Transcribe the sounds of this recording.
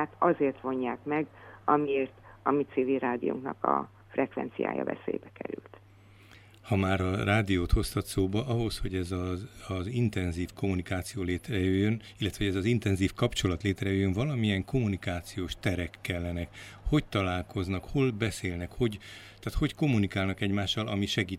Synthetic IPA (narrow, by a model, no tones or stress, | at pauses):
at̪ɒzeːrt̪ʋo̞ɲːaːkmɛɡɒmieːrt̪ɒmit̪siːvilraːd̪ḭjṵŋknɒkɒ̰ | frɛkʋɛ̰nt̪sija̰ːjɒ̰vɛ̰sḛːjbɛkɛ̰ɾy̰lt̪ | hɒmaːɾɒraːd̪ijoːt̪ho̞st̪ɒt̪soːbɒʔɒɦo̞sho̞ɟɛzɒɒzint̪ɛnziːfko̞munikaːt̪sijoːleːt̪rɛjøjːøn | ilːɛt̪ʋɛɦoɟɛzɒzint̪ɛnziːfkɒpt͡ʃo̞lɒt̪leːt̪rɛjøːjːøɱvɒlɒmijɛŋko̞munikaːt̪sijoːʃt̪ɛɾɛkːɛlːɛnɛkho̞ct̪ɒlaːlko̞znɒkho̞lbɛseːlnɛkho̞ɟt̪aːt̪ho̞cko̞mːunikaːlnɒkɛɟmaːʃːɒlɒmiʃɛɡiː